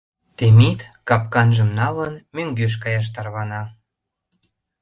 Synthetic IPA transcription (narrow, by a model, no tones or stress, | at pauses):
t̪emit̪kɑpkɑnʒə̆mnɑlənmøŋɡøʃ̬kɑjɑʃ̬t̪ɑrβɑnɑ